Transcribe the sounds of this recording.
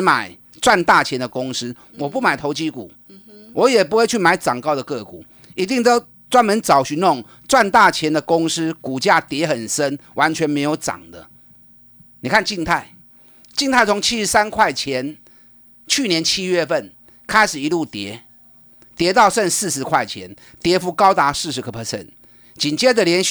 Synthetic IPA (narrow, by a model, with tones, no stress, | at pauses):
ma̰˨˩ɪ | t͡swa˥˧nt̪a˥˩t͡ɕʰjɛ˧˦nd̪ə˨kʊ˦ŋsɹ̩˥ | wɔ˨˩pu˥˩˨ma˨˩ɪt̪ʰo˧˥ʊt͡ɕi˦˥kṵ˨˩˦ | wʔɔ˨˧˦jɛ˨˩p̬u˧˥xwe˥˧ɪt͡ɕʰy˥˩ma˧˥ɪʈ͡ʂɑ˨˩ŋkɑ˥˩ʊd̪ə˨kɤ˥˨kṵ˨˩˦ | i˧˥t̪i˥˩ŋt̪o˥ʊ | t͡swa˥nmə˨˦nt͡sɑ˨˩ʊɕy˧˦nʊ˥˨ŋ | t͡swa˥˧nt̪a˥˨t͡ɕʰjɛ˧˦nd̪ə˨kʊ˦˥ŋs̩˦ku˨˩t͡ɕja˥˩t̪jɛ˧˦xə˨˩nsə˦˥nwʔa˧˦˥nt͡ɕʰɥɛ˧˦nme˧˥ɪjo˧˥ʊʈ͡ʂɑ̰˨˩ŋd̪ə̰˦ | ni˨˩kʰa˥˧nt͡ɕi˥˧ŋt̪ʰa˥˩ɪ | t͡ɕi˥˧ŋt̪ʰa˥˩ɪt͡sʰo˧˥ŋt͡ɕʰi˥ʂɻ̩˧˥sa˦nkʰwa˥˩ɪt͡ɕʰjɛ˧˥n | t͡ɕʰy˥˩njɛ˧˦nt͡ɕʰi˥ɥɛ˥˧fə˥˩n | kʰa˥ɪʂɻ̩˨˩i˧˦lu˥˩t̪jɛ˧˥˦ | t̪jɛ˧˥t̪ɑ˥˧ʊʂə˥˧nsɹ̩˥˧ʂɻ̩˧˦kʰwa˥˩ɪt͡ɕʰjɛ̰˧˥n | t̪jɛ˧˦˥fu˧˥kɑ˥ʊt̪a˧˥sɻ̩˥˧ʂ̬ɻ̩˧˥kʰə˧˩pʰə˧˩sɛ̰˥˩n | t͡ɕi˨˩nt͡ɕjɛ˥də˨ljɛ˨˧˥n